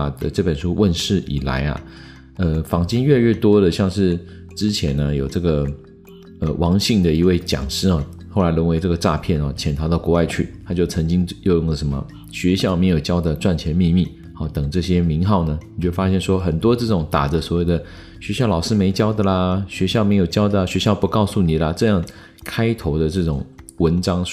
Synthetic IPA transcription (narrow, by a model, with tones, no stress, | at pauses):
d̪ə̰˧˩ʈ͡ʂɤ˥˩pə˨˩nʂu˥wʔə˥˧nʂɻ̩˥˩ʔḭ˨˩la̰˧˥ɪɐ̰˧ | ə˧fɑ˨˩ŋt͡ɕi˥ŋɥɛ˥˧ɥɛ˥˩t̪wɔ˥d̪ə˨ɕjɑ˥˧ŋʂɻ̩˥˩ | ʈ͡ʂɻ̩˥t͡ɕʰjɛ˧˥nə˧jo˨˩ʊʈ͡ʂɤ˥˩ɡə˩ | ə̰˧wʔɑ˧˥ŋɕi˥˩ŋd̪ə˩i˧˥we˥˩ɪt͡ɕjɑ̰˨˩ŋʂɻ̩˥˩xɔ˥˧˩xo˥˩la˧˥ɪɻə˧˥ŋwe˧˥ɪʈ͡ʂɤ˥˩ɡə˩ʈ͡ʂa̰˥˧pʰjɛ˥˩nɔ˥˩t͡ɕʰjɛ˧˥nt̪ʰɑ˧˥ʊɑ˥˩ʊkwɔ˧˥wa˥˧ɪt͡ɕʰy˥˩t̪ʰa˥t͡ɕjo˥˩ʊt͡sʰɤ˧˥ŋt͡ɕi˥ŋjo˥˧ʊjʊ˥˩ŋlə˩ʂə˧˥mə̰˧˨ | ɕɥɛ˧˥ɕjɑ˥˩ʊme˧˥ɪjo˨˩ʊt͡ɕjɑ˥ʊd̪ə˨ʈ͡ʂwa˥˩nt͡ɕʰjɛ˧˥nmi˥˧mi˥˩ | ɔ˥˧˩t̪ɤ˨˩ŋʈ͡ʂɤ˥˩ɕjɛ˥mi˧˥ŋxɑ˥˩ʊnə˩ni˨˩t͡ɕo˥˩fa˥ɕjɛ˥˩nʂwɔ˥xə˨˩nt̪wɔ˥ʈ͡ʂɤ˥˩ʈ͡ʂʊ˨˩ŋt̪a̰˨˩də˨˦swɔ˨˩˦we˥˩ɪd̪ə˩ | ɕɥɛ˧˥ɕjɑ˥˩ʊlɑ˨˩ʊʂɻ̩˥˧me˧˥ɪt͡ɕjɑ˥ʊd̪ə˨lə˩ɕɥɛ˧˥ɕjɑ˥˩ʊme˧˥ɪjo˨˩ʊt͡ɕjɑ˥ʊd̪ə˨˩ɕɥɛ˧˥ɕjɑ˥˩ʊpu˧˥kɑ˥˧ʊsu˥˩ni˨˩lə˧ʈ͡ʂɤ˥˧jɑ˥˩ŋ | kʰa˥ɪt̪ʰo˧˥ʊd̪ə˧ʈ͡ʂɤ˥˩ʈ͡ʂʊ˨˩ŋwə˧˥nʈ͡ʂɑ˥ŋ